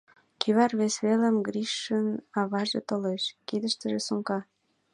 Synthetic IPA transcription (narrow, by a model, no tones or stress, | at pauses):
kyβɑrβesβeləmɡɾiʃːənɑβɑʒɤ̰t̪əleʃkid̪əʃt̪ə̆ʒesuŋkɑ